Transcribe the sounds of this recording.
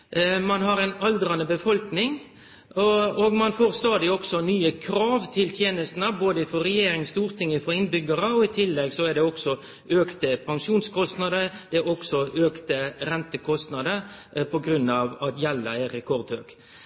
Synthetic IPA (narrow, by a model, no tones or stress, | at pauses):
mɑnɦɑɾɛnɑld̪ɾɑnəbəfɔlknɪŋ | oːɡmɑnfoːʁst̪ɑːd̪ɪɔksɔnyːəkʰɾɑːʋt̪ʰɪlt̪ʰjeːnəst̪n̩əboːd̪əɪfɔɾɛjeːɾɪŋst̪uːʁt̪ɪŋːəfɔɪnbʏɡəɾəɔɪt̪ʰɪlːɛɡsɔɛɖɛɔksɔ | øːkt̪əpʰɑŋʂuːnskʰɔst̪nɑd̪əd̪̥ɛɔksɔʔøːkt̪əɾɛnt̪əkʰɔst̪nɑd̪əpʰɔɡɾʉnːɑʋɑt̪jɛlːə̰ɛɾɛkʰɔʁd̪øːk